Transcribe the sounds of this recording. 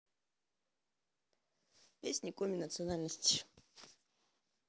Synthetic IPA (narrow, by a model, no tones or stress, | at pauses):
pʲesʲnʲikomʲinət̪sɨonalʲnəsʲtʲi̥